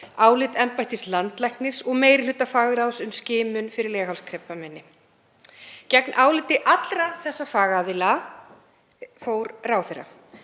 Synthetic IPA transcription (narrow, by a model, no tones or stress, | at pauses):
aːwlɪt̪ɛmpajht̪ɪslant̪lɛjhknɪ̥sɔɣmeːjɾɪl̥ʏːt̪ːafaːɣɪɾawsʏmscɪːmʏnfɪɾɪɾlɛːɣhawlskʰɾɛpːamɛnːɪ | cɛknʔaːwlɪt̪ɪʔat̪lɾaθɛsːafaːɣaðɪla | foːwɾraːwθɛrːa̰